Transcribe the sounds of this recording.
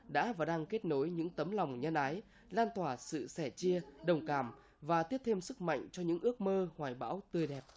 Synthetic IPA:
ɗa̰ː˧˥vaː˨˩ɗaː˧ŋke˦˥t̚no˨˦jɲɨ̰˧˥ŋt̪ə˨˦mlɔ˨˩wŋ͡mɲə˧nʔa˨˦j | laː˧nt̪waː˧˩sɨ̰˧˨sɛ˧˩t͡ɕi˧əɗə˨˩wŋ͡mkaː˧˩m | vaː˨˩t̪i˦˥əp̚t̪ʰe˧msɨ˦˥k̚ma̰˧˨jŋ̟t͡ɕɔ˧ɲɨ̰˧˥ŋʔɨ˦˥ək̚məː˧hwaː˨˩jɓa̰ː˧˥wt̪ɨ˨˩əjɗɛ˨˩p̚

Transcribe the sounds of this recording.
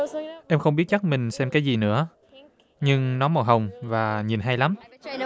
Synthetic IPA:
ʔɛ˧mxə˧ŋ͡mɓi˦˥ət̚t͡ɕa˦˥t̚mï˨˩ŋ̟sɛ˧mkaː˨˦jzi˨˩nɨ̰˧˥ə | ɲɨ˧ŋnɔ˨˦jmɔ˨˩ɦə˨˩wŋ͡mvaː˨˩ɲi˨˩nɦa˧jla˨˦m

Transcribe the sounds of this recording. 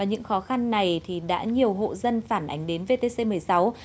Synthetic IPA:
aː˨˩ɲɨ̰˧˥ŋxɔ˨˦xa˧nːa˨˩jt̪ʰi˨˩ɗa̰ː˧˥ɲi˨˩əwɦo̰˧˨zə˧nfaː˧˩nʔa̰˨˦ŋ̟ɗe˨˦nve˧t̪e˧se˧mɨ˨˩əjsa˨˦w

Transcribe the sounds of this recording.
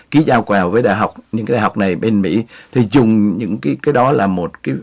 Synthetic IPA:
ki˨˦zaː˧wkwaː˨˩vəː˨˦jɗa̰ː˧˨jɦa˨˩wk͡p̚ɲɨ̰˧˥ŋkːaː˨˩˨wk͡p̚na˨˩jɓe˧nmḭ˧˥t̪ʰi˨˩zʊ˨˩ŋ͡mɲɨ̰˧˥ŋkaː˨˦jkaː˨˦jɗɔ˨˦laː˨˩mo˨˩t̚kaː˨˦j

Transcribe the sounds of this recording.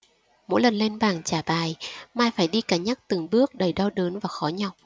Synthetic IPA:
mo̰˧˥jlə˨˩nle˧nɓaː˨˩ŋt͡ɕaː˧˩ɓaː˨˩jmaː˧˩jfaː˧˩jɗi˧kaː˧˩ɲaː˦˥k̚t̪ɨ˨˩ŋɓɨ˦˥ək̚ɗə˨˩jɗɔ˧wɗəː˨˦nvaː˨˩xɔ˨˦ɲa˧˩w

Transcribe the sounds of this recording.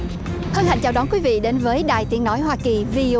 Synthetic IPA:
hə˧nha̰˧˨ŋt͡ɕaː˨˩wɗɔ˨˦nkwi˨˦vḭ˧˨ɗe˨˦nvəː˨˦jɗa̰ː˨˩jt̪i˨˦ənnɔ˨˦jɦwaː˧ki˨˩vi˧

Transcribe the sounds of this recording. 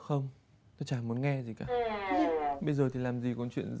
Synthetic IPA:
xə˧wŋ͡m | t̪ɔ˧˦t͡ɕaː˧˩mu˨˦ənŋɛ˧zi˨˩kaː˧˩ | ɓə˧jzəː˨˩t̪ʰi˨˩laː˨˩mzi˨˩kɔ˨˥˦nt͡ɕwḭ˧˨ən

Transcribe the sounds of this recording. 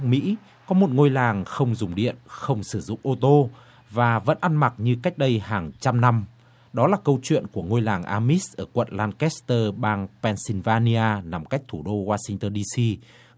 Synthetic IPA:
mḭ˧˥ | kɔ˨˦mo˨˩t̚ŋo˧jlaː˨˩ŋxə˧wŋ͡mzʊ˨˩ŋ͡mɗḭ˧˨ənxə˧wŋ͡msɨ˧˩zʊ̰˧˨ŋ͡mʔo˧t̪o˧ | vaː˨˩və̰˧˥nʔa˧nma˨˩t̚ɲɨ˧ka˦˥k̚ɗə˧jɦaː˨˩ŋt͡ɕa˧mna˧m | ɗɔ˨˦laː˨˩kə˧wt͡ɕwḭ˧˨ənku˧˩əŋo˧jlaː˨˩ŋʔaː˧mi˦˥sʔəː˧˩kwə̰˧˨nlaː˧nkɛ˦˥st̪əː˧ɓaː˧ŋpɛ˧nsi˧nvaː˧ni˧aː˧na˨˩mka˦˥jk̟̚t̪ʰu˧˩ɗo˧waː˧sï˧ŋt̪əː˧nɗi˧si˧

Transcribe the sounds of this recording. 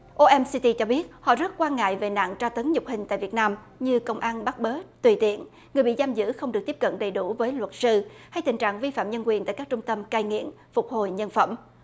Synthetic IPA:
ʔo˧ʔɛ˧msi˧t̪i˧t͡ɕɔ˧ɓi˦˥ət̚hɔ̰˧˨zə˦˥t̚kwaː˧nŋa̰ː˧˨jve˨˩na̰ː˧˨ŋt͡ɕaː˧t̪ə˨˦ŋɲʊ˨˩k͡p̚hï˨˩ŋ̟t̪a̰ː˧˨jvi˨˩ət̚naː˧m | ɲɨ˧kə˧wŋ͡mʔaː˧nɓa˦˥t̚ɓəː˨˦t̪wi˨˩t̪ḭ˧˨ən | ŋɨ˨˩əjɓḭ˧˨zaː˧mzɨ̰˧˥xə˧wŋ͡mɗɨ˨˩k̚t̪i˦˥p̚kə̰˧˨nɗə˨˩jɗu˧˩vəː˨˦jlwə˨˩t̚sɨ˧ha˧jt̪ï˨˩ŋ̟t͡ɕa̰ː˧˨ŋvi˧fa̰ː˧˨mɲə˧nkwi˨˩ənt̪a̰ː˧˨jkaː˦˥k̚t͡ɕʊ˧ŋ͡mt̪ə˧mkaː˧jŋḭ˧˨əm | fʊ˨˩k͡p̚ho˨˩jɲə˧nfə˧˩m

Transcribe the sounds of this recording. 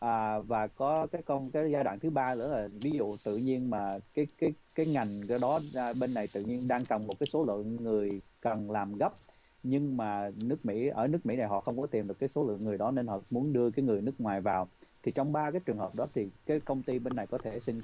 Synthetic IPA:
ʔaː˨˩vaː˨˩kɔ˨˦kaː˨˦jkɔ˧nkaː˨˦jzaː˧ɗa̰ː˧˨ŋt̪ʰɨ˨˦ɓaː˧lɨ̰˧˥ənaː˨˩vi˨˦zṵ˧˨t̪ɨ̰˧˨ɲi˧ənmaː˨˩kaː˨˦jkaː˨˦jkaː˨˦jŋa˨˩jŋ̟˧˨ɗɔ˨˦˨ɓe˧nːa˨˩jt̪ɨ̰˧˨ɲi˧ənɗaː˧ŋkə˨˩nmo˨˩t̚kaː˨˦jso˨˦lɨ̰˧˨əŋːɨ˨˩əjkə˨˩nlaː˨˩mɣə˦˥p̚ | ɲɨ˧ŋmaː˨˩nɨ˦˥ək̚mḭ˧˥ʔəː˧˩nɨ˦˥ək̚mḭ˧˥na˨˩jɦɔ̰˧˨xə˧wŋ͡mkɔ˨˦t̪i˨˩mɗɨ˨˩kːaː˨˦so˨˦lɨ̰˧˨əŋːɨ˨˩əjɗɔ˨˦ne˧nhɔ̰˧˨mu˨˦ənɗɨ˧əkaː˨˦jŋɨ˨˩əjnɨ˦˥k̚ŋwaː˨˩jvaː˨˩wt̪ʰi˨˩t͡ɕɔ˧wŋ͡mɓaː˧kaː˨˦jt͡ɕɨ˨˩əŋɦəː˨˩p̚ɗɔ˨˦t̪ʰi˨˩kaː˨˦jkə˧wŋ͡mt̪i˧ɓe˧nːa˨˩jkɔ˨˦t̪ʰe˧˩sï˧ŋ

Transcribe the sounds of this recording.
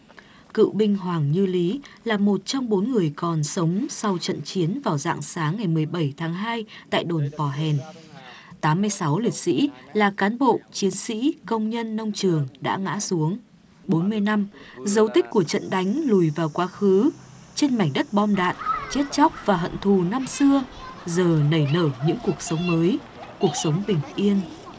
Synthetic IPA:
kɨ̰˧˨ɓï˧ŋ̟ɦwaː˨˩ŋɲɨ˧li˨˦laː˨˩mo˨˩t̚t͡ɕɔ˧wŋ͡mɓo˨˦nŋɨ˨˩əjkɔ˨˩nsə˨˦wŋ͡msa˧wt͡ɕə̰˧˨nt͡ɕi˨˦ənvaː˨˩wza̰ː˧˨ŋsaː˨˦ŋːa˨˩jmɨ˨˩əjɓə˧˩jt̪ʰaː˨˦ŋɦaː˧jt̪a̰ː˧˨jɗo˧˩npɔ˧˩ɦɛ˨˩n | t̪aː˨˦mːɨ˧əjsa˨˦wli˨˩ət̚sḭ˧˥laː˨˩kaː˨˦nɓo̰˧˨t͡ɕi˨˦ənsḭ˧˥kə˧wŋ͡mɲə˧nːə˧wŋ͡mt͡ɕɨ˨˩əŋɗa̰ː˧˥ŋa̰ː˧˥su˨˦əŋ | ɓo˨˦nmɨ˧əjna˧mzə˨˦wt̪ï˦˥k̟̚kːu˧˩ət͡ɕə̰˧˨nɗa˨˦jŋ̟lu˨˩jvaː˨˩wkwaː˨˦xɨ˨˦ | t͡ɕe˧nma˨˧˩jŋ̟ɗə˦˥t̚ɓɔ˧mɗa̰ː˧˨nt͡ɕe˦˥t̚t͡ɕɔ˦˥k͡p̚vaː˨˩ɦə̰˧˨nt̪ʰu˨˩na˧msɨ˧əzəː˨˩nə˨˧˩jnəː˧˩ɲɨ̰˧˥ŋku˨˩ək̚sə˨˦wŋ͡mməː˨˦j | ku˨˩ək̚sə˨˦wŋ͡mɓï˨˩ŋ̟ʔi˧ən

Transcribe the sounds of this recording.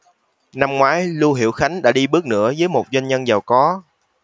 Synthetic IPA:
na˧mŋwaː˨˦jlu˧ɦḭ˧˩əwxa˨˦jŋ̟ɗa̰ː˧˥ɗi˧ɓɨ˦˥ək̚nɨ̰˧˥əzəː˨˦jmo˨˩t̚zwa˧jŋ̟ɲə˧nzaː˨˩wkɔ˨˦

